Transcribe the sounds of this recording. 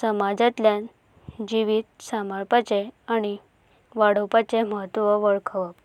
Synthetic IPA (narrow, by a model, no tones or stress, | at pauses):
səmad͡zat̪ljan | d͡ʑiʋiːt̪̚saməɭpat͡seaɽ̃i | ʋaɽəwpat͡ɕeməɦət̪ːʋəʋəɭkʰəʋəp